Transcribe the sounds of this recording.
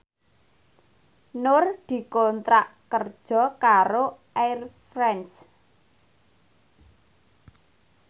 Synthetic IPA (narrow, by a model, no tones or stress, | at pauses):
nʊrd̪̥i̤kɔnt̪ɾaʔkərd̥ʒ̥ɔ̤kaɾoʔajrfɾɛns